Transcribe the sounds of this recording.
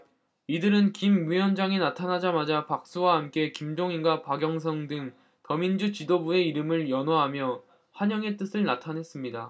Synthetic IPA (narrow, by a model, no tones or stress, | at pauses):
idɯɾɯnkimɥijʌnd͡ʑaŋinatʰanad͡ʑamad͡ʑapak̚s͈uwahamk͈e̞kimd͡ʑoŋinɡwapaɡjʌŋs̬ʰʌŋdɯŋ | tʌmind͡ʑut͡ɕidobue̞iɾɯmɯɭjʌnwaɦamjʌ | ɸwaɲʌŋe̞t͈ɯsʰɯɭnatʰanɦe̞s͈ɯmɲida